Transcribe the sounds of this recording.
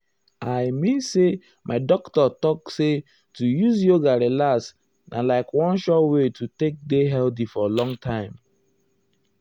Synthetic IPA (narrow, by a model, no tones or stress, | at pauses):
aɪmĩnse | mʔaɪdɔktɔtɔkse | tujuzjoɡaɹelas | nʔa̰laɪkwɔ̃nʃɔtwetutek̚deɦɛldifɔlɔ̃ŋtʰãɪ̃m